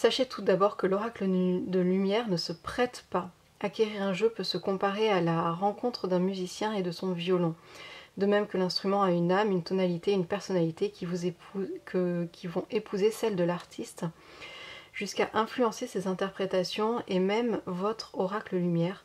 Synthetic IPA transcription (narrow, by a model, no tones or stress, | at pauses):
saʃet̪ʰud̪abɔʁkəlɔʁakləd̪əlymjɛʁnəsəpχɛt̪pa | akʲeʁiʁɛ̃ʒøpøsəkɔ̃paʁealaʁɑ̃kɔ̃t̪χəd̪ɛ̃myzisjɛ̃ed̪əsɔ̃vjɔlɑ̃d̪əmɛmkəlɛ̃st̪χymɑ̃aynamynt̪ɔnalit̪eynpɛʁsɔnalit̪evu | kʲʰivɔ̃ʔepʰuzesɛld̪əlaʁt̪ʰist̪ | ʒ̥yskaʔɛ̃flyɑ̃sesezɛ̃t̪ɛʁpχet̪asjɔ̃emɛmvɔt̪χɔʁakləlymjɛːʁ